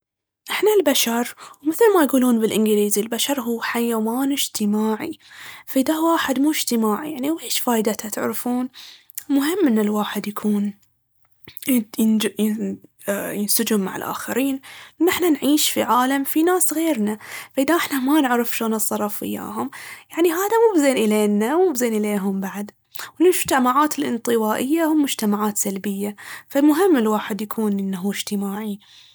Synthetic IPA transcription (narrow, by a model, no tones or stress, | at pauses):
ʔɪħnalbaʃɑɾˤwmɪθlmajɡuːluːnbɪlʔɪnɡɪliːzilbaʃɑɾˤɦuːħajaːwaːnɪd͡ʒt̪ɪmaːʕḭfaʔɪd̪awaːħɪd̪muːd͡ʒt̪ɪmaːʕḭjaʕniwʔeːʃfaːjd̪at̪ʰat̪ɪʕɾfuːn | mʊɦɪmːʔɪnːɪlwaːħɪd̪jakʰuːn | jɪn | jɪnsʊd͡ʒʊmːa̰ʕɪ̰lʔa̰ːxaɾiːnːɪħnanʕiːʃfiʕaːlamfinaːsɣeːɾnafaʔɪðaʔɪħnamanɪʕɾɪfʃoːnɨsˤːɑɾˤɑfɪ̰jːa̰ːɦʊmjaʕniɦaːðamuːbzeːnʔɪleːnːawuːbzeːnʔɪleːɦʊmbaʕd̪ | wɪlmʊd͡ʒt̪amaʕaːt̪ɪlʔɪ̰nt̪ˤɨwaːʔɪjːahʊmːʊd͡ʒt̪amaʕaːt̪salbɪjːafalmʊɦɪmːɪlwaːħɪd̪jakʰuːnʔɪnːaɦuːɪd͡ʒt̪ɪmaːʕi